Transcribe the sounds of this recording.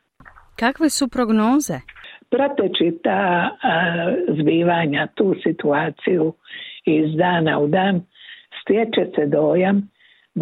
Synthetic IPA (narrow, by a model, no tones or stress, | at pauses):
kakʋesupɾo̞ɡnoːzepɾot̪et͡ʃit̪aː | zbiːʋaɲat̪uːsit̪uaːt̪sijuizd̪aːnaud̪aːnst̪jet͡ʃesed̪oːjam